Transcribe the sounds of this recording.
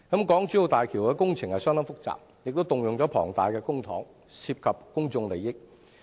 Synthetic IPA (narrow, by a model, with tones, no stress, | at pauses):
kɐ˨˦˥mkɔː˨˥ŋt͡ʃyː˨˥jo˨˧wt̪aː˨˩jkʰiː˨˩wkɛː˧kʊ˥ŋt͡sʰɪ˨˩ŋhɐ˨jsœ˥ŋt̪ɐ˥ŋfʊ˥k̚t͡sa̰ː˨p̚ | jɪ˨k̚t̪o˥wt̪ʊ˨ŋjʊ˨ŋt͡ɕɔː˨˥pʰɔ̰ː˨˩ŋt̪aː˨jkɛː˧kʊ˥ŋt̪ʰɔː˨˥ŋ | siː˧p̚kʰɐ˨p̚kʊ˥ŋt͡sʊ˧ŋle˨jːɪ˥k̚